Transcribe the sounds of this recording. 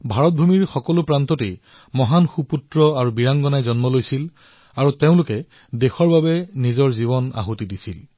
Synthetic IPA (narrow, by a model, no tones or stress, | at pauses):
bʱaɹɔt̚bʱumiɹxɔkɔlʊpɹantɔtḛj | mɔɦanxuputɹɔaɹubiɹaŋɡɔnajzɔnmɔlojsil | aɹuteʊ̃lʊkɛ | dexɔɹbabɛnizɔɹzibɔna̰ɦutidisil